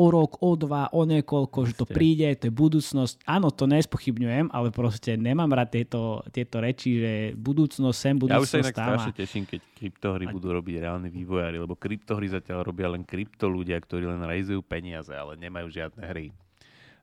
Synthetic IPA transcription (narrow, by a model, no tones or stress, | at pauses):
ɔɾɔkɔd̪ʋaʔɔɲɛkɔlkɔʒɛt̪ɔpɾɾiːɟɛt̪ɔjɛbud̪uːt͡snɔscaːnɔt̪ɔɲɛspɔxibɲujɛmʔa̰lɛpɾɔscɛɲɛmaːmɾat̪ːɪɛt̪ɔt̪ɪɛt̪ɔɾɛt͡ʃiʒɛbud̪uːt͡snɔssɛmbud̪auʃsaiakt̪aɾamaɛɛʃimkɛckɾipt̪ɔɦɾibud̪uːɾɔbiɟɾɛaːlniʋiːʋɔjaːɾilɛbɔkɾipt̪ɔɦɾizacɪalɾɔbɪalɛnkɾipt̪ɔluɟɪakt̪ɔɾiːlɛnɾɛizujuːpɛɲɪazɛ̰a̰lɛɲɛmajuːʒɪad̪̚nɛɦɾi